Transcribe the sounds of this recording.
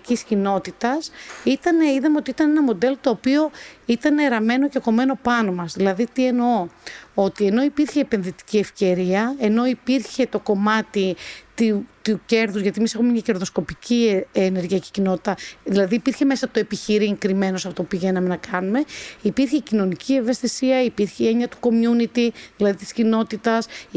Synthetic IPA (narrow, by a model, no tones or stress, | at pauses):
ciscino̞t̪it̪ɐsit̪ɐneiðɐmeot̪iit̪ɐne̞nɐmo̞d̪e̞lot̪o̞ːpio̞it̪ɐneɾɐme̞no̞ceko̞meno̞pɐno̞mɐzðilɐðit̪ie̞noo̞t̪ie̞no̞ipiɾçe̞ːpe̞nðit̪i̥cie̞fce̞ɾiɐe̞no̞ipiɾçe̞t̪o̞ko̞mɐt̪it̪t̪uce̞ɾðuzʝɐt̪iemise̞xumemɲɐce̞ɾðo̞sko̞piciene̞ɾɣiɐci̥cino̞t̪i̥t̪ɐðilɐðiːpiɾçe̞me̞sɐt̪oepiçiɾiŋkɾime̞no̞sɐpot̪opiʝe̞nɐme̞nɐkɐnume̞ipiɾçe̞cino̞nicʰie̞ve̞st̪isiɐipiɾçeieɲɐt̪u̥ko̞mjunit̪iðilɐðit̪i̥scino̞t̪it̪ɐs